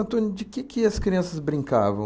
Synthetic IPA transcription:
ɐ̃nt̪õnʊd͡ʒɪkɪkɪɐskɾiɐ̃sɐzbɾĩŋka̰vɐ̃

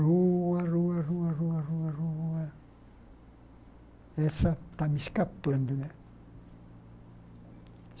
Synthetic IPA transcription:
ruːɑruɑruɑruɑruɑruɑ | esɑt̪ːɑmiskɑpːond̪ynæ

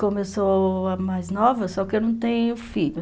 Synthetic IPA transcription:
kõmesoɐmajznɔvɐsɔkɪenɐ̃w̃t̪ẽjʊfiʎʊ

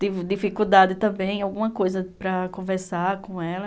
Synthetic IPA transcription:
t̪ivɪd̪ifikud̪ad̪ɪt̪ɐ̃mbẽj̃awɡũmɐkojzɐpɾɐkõvɛɾsakõɛlɐ

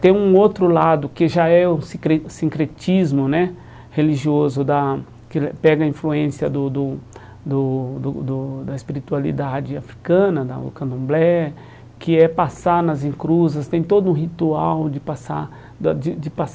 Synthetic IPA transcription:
t̪ẽj̃ũot̪ɾʊlad̪ʊkɪʒaɛuskɾesĩŋkɾet͡ʃizmʊnɛ | heliʒiozʊd̪ɐ | kɪpɛɡɐĩfluẽsiɐd̪ʊd̪ʊ | d̪ʊd̪ʊd̪ʊd̪ɐespiɾit̪ualḭd̪ad͡ʒɪafɾikɐ̃nɐd̪ɐ̰ʊ̰kɐ̃nd̪õmblɛ | kɪɛpasanɐzĩkɾuzɐst̪ẽj̃t̪od̪ʊũɦit̪uawd͡ʒɪpasa | d̪d͡ʒɪd͡ʒɪpas

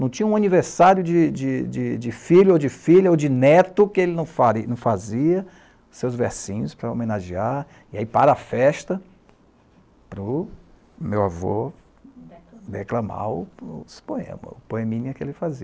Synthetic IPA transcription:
nɐ̃w̃t͡ʃĩɲɐũɐniveɾsaɾjʊd͡ʒɪd͡ʒɪd͡ʒɪd͡ʒɪfilʊod͡ʒɪfiʎɐod͡ʒɪnɛt̪ʊkɪelɪnɐ̃w̃faɾinɐ̃w̃faziɐ | sewzveɾsĩɲʊspɾɐo̰menaʒiaɾ | iaipaɾɐafɛʃt̪ɐ | pɾʊ | mewavo̰ | heklɐ̃ma̰ɾʊspoḛ̃mɐ̰ʊpoemĩniɐkɪelɪfaziɐ

